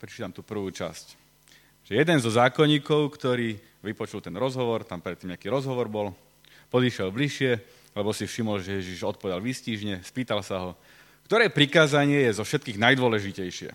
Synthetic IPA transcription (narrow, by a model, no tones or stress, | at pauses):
pɾɛt͡ʃiːt̪amt̪uːpr̩ʋuːt͡ʃasc | ʒ̥ɛjɛd̪ɛnzɔzaːkɔɲiːkɔʊkt̪ɔɾiː | ʋipɔt͡ʃult̪ɛnɾɔzɦɔʋɔɾt̪ampɾɛt̪ːiːmɲeakiːɾɔzɦɔʋɔɾbɔl | pɔd̪iːʃɪɛlbliʃɪɛ | lɛbɔsifʃimɔlʒɛjɛʒiʒɔt̪̚pɔʋɛd̪alʋisciːʒɲɛspiːt̪alsaɦɔ | kt̪ɔɾɛːpɾikaːzaɲɪɛjɛzɔfʃɛt̪̚kiːɣnajd̪ʊɔlɛʒicɛjʃɪɛ̰